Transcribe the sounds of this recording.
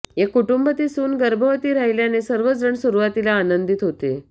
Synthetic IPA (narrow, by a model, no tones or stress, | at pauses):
jakuʈumbət̪iːsuːnɡəɾbʱəʋət̪iːɾaɦiljanesəɾʋəd͡zəɳsuɾuʋat̪ilaːnənd̪it̪ɦot̪e